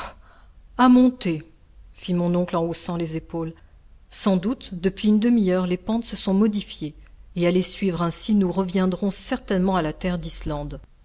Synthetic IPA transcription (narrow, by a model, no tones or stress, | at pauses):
amɔ̃t̪e | fimɔ̃nɔ̃klɑ̃osɑ̃lezepol | sɑ̃d̪ut̪d̪əpɥiynd̪əmiœʁlepɑ̃t̪səsɔ̃mɔd̪ifjeː | alesɥivʁɛ̃sinuʁəvjɛ̃d̪ʁɔ̃sɛʁt̪ɛnmɑ̃alat̪ɛʁd̪islɑ̃d̪